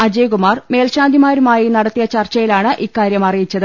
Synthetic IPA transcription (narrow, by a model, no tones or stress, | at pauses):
ɐd͡ʑeːjkumaːrme̞ːlɕaːnd̪ʱimaːɾumaːjinɐɽɐt̪ːijɐt͡ɕɐrt͡ɕɐjilaːɳɨʔikːaːɾjɐmɐrijit͡ɕːɐðɨ